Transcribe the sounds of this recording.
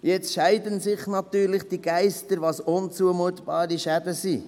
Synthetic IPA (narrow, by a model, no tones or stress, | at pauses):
jɛt͡sʃæɪdənsɪχnɑt̪yːɾlɪχd̥iɡ̥æɪstəɾʋɑsʊnt͡suəmuət̪b̥ɑːɾiʃædəsi